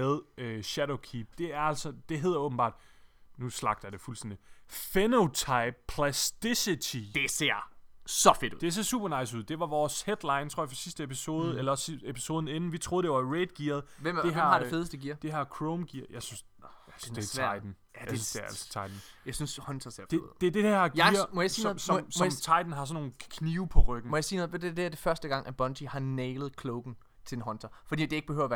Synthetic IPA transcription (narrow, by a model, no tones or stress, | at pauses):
eðˠøɕæɾoʊkʰiːb̥̚d̥e̝æɐæl̰sɒd̥e̝ɦe̝ð̞ˠɐɔ̽b̥m̩bɑ̰̈ːd̥nuslɑ̈ɡ̥̚d̥ɐd̥e̝fulsd̥en̰d̥ifenoʊt͡sʰɑ̈ɪb̥̚pʰlæsd̥isit͡sʰid̥ese̝ɐ̰sɒfed̥ud̥e̝æɐseɐsṵb̥ɐnɑ̈ɪsuð̞̰ˠd̥e̝ʋɑ̈ʋɒːshed̥lɑ̈ɪnt͡sʰo̝ɐ̰afɒ̥sisd̥əepʰiso̝ːð̞ˠəelɐɒsiepʰi̥so̝ːð̞ˠn̩e̝nn̩ʋit͡sʰʁo̝ðˠd̥e̝ʋɑ̈ʁeːd̥ɡ̥iɐð̩ˠʋemeɦmhɑ̈de̝fe̝ð̞ˠsd̥eɡiɐ̰d̥e̝æɐkʰʁoʊmɡ̥iɐ̰jɑɪsyns | sesʰɐ̰aɪd̥n̩ | jæjesysd̥eælsə̥t͡sʰɑ̈ɪd̥n̩jɑ̈ɪsynshɔ̽nt͡sʰɐseɐfd̥ed̥e̝d̥ehæɐ̰ɡɐ̰mɒjäsiːnoð̩smmt͡sʰɑ̈ɪd̥n̩ɦɑ̈sɒnːo̝ːnkʰniːʊpʰɒ̽ʁœɡ̥n̩mɒjɑ̈siːnɔð̩ˠʋed̥eɐd̥eæɐd̥e̝fɶɐsd̥əɡ̥ɑ̈ŋ̰ʔæb̥ɒ̽ndʰihɑ̈nɛɪlð̞̩ˠkʰloʊɡ̥n̩ | t͡sʰe̝lenɦɒ̽nt͡sʰɐfɒ̽d̥ḭd̥e̝e̝ɡ̥b̥ehøʊɐʋæɐ